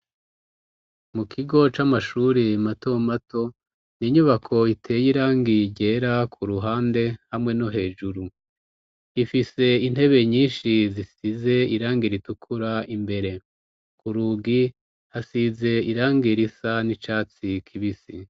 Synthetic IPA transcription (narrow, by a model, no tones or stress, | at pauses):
mukʰiɡo̞t͡ʃamaʃuɾimatomato̞ | niɲuβakʰo̞itʰe̞ːjiɾaːŋɡiɟe̞ɾakʰuɾuɦaːnde̞hamŋe̞no̞ɦe̞ːʒuɾu | ifise̞in̥he̞βe̞ɲiːnʃizisize̞iɾaːŋɡiɾitukʰuɾaimbe̞ɾe̞ | kuɾuːɡi | hasize̞iɾaːŋɡiɾisanit͡ʃaːt͡sikʰiβisi